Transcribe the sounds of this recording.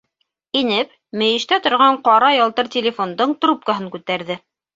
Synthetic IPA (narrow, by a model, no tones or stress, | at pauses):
inɘp̚ | mɘ̆jɘ̆ʃt̪æt̪ŏɾʁɑɴqɑɾɑjɑlˠt̪ɤɾt̪ʲɪlʲɪfond̪oɴt̪rɾup̚kaɦɤŋkʉt̪æɾðɘ